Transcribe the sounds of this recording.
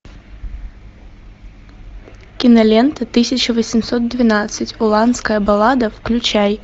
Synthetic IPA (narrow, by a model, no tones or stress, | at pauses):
kʲinɐlʲɛnt̪ɨt̪ɨsʲɐt͡ʃɐvɐsʲimsɔt̪̚d̪ʲvʲinat̪sɐt͡sʲulˠant̪skɐjɐbalˠad̪ɐwklʲut͡ʃaj